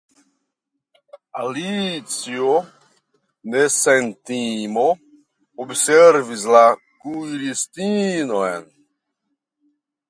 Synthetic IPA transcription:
alit͡sjo | nesent̪imo | obseɾvisla | kulist̪inoen

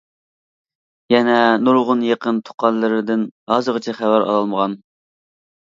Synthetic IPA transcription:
jɛnɛnuɾʁʊnjeqənt̪ʰʊ̥qʰɑnlːˠɨɾɪd̪ɪnhɑzɨʁət͡ʃʰɛχævæɾɑ̰lˠɑlˠməʁɑn

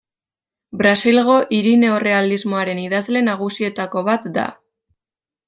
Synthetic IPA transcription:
bɾasilɣo̞ʔiɾine̞ore̞alizmo̞aɾe̞niðazle̞naɣ̞usie̞t̪ako̞βat̪d̪a̰

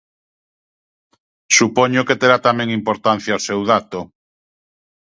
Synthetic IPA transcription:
supɔɲʊket̪eɾat̪amɛ̃ŋimpoɾt̪an̟θjaosewð̞at̪o

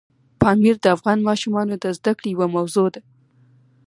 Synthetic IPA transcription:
pɑmiɾd̪əafɣɑnmɑʃumɑnod̪əzd̪akɽejawamawzod̪a

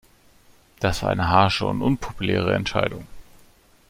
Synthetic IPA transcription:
d̥asv̥aːɐʔa̰ɪnəɦaɐʃəʊ̰ntʔʊnpʰopulɛ̰ːʁ̞əɛ̰ntʃaɪdʊŋ

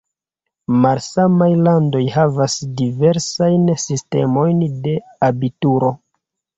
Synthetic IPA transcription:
malsamajlando̞jɦavasdive̞ɾsajnsiste̞̰mo̞jnde̞ | abituɾo̞

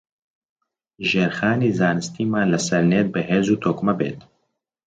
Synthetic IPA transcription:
ʒeːɾxaːniːzaːnɨst̪iːmaːnlɐsɐɾneːt̪̚bɨɦeːzuːt̪ʰoːkmɐbḛːt̪

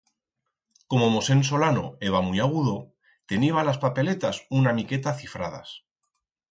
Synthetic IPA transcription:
ko̞mo̞mo̞se̞ns̬o̞lano̞̰e̞βamujaɣ̞uðo̞ | t̪e̞niβalaspape̞le̞t̪asunamike̞t̪aθifɾa̰ð̞a̰s

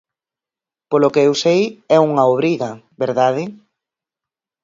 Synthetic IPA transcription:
polokeewsejɛuŋaoβɾiɣɐ | beɾðaðɪ

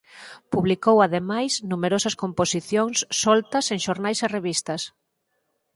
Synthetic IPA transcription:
puβlikowaðemajsnumeɾosɐskomposiθjoŋsːɔlt̪ɐseŋʃoɾnajsereβist̪ɐs

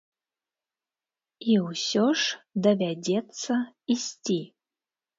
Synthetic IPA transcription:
iwsʲoʂd̪ɐvʲadʲet̪t͡s̪ːɐisʲtʲi

